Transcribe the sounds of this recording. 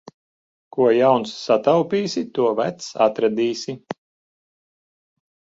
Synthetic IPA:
kuɔjawnsːat̪awpʲiːsit̪uɔvæt̪sat̪ɾad̪iːsʲi

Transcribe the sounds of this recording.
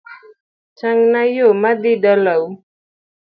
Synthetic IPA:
t͡ʃaŋnajomad̪idaləw

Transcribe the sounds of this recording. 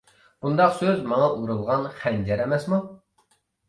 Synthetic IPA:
b̥und̪ɑqsøzmɑŋɑʔuɾulˠʁɑnχænd͡ʒɛɾɛmɛsmu

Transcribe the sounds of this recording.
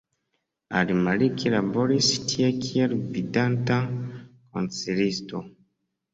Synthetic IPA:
a̰ɾimalikiɾaboɾistʰiekʰieɾvidantako̰nt͡seɾisto

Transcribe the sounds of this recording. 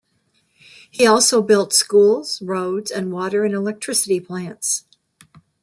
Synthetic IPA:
hiɔlˠsoʊbɪlˠtskulˠz̥ɹoʊdz̥ɨ̃nwɔɾə˞ɨ̃nəlɛk̚tʰɹ̥ɪsɨɾipʰl̥æ̃nts

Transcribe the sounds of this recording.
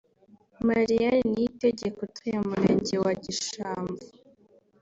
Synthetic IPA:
maɾianniteɟe̞kotʰujemuɾe̞̰ːɲɟe̞waɟiʃaːmbu

